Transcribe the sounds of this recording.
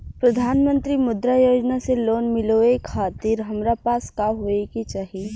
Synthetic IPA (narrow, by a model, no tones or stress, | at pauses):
pɾɐd̪ʱaːnmə̃nt̪ɾimʊd̪ɾajoːd͡ʒnaseloːnmɪloekʰaːt̪ɪɾɦɐmɾapaːskaɦoːekit͡ʃaːɦi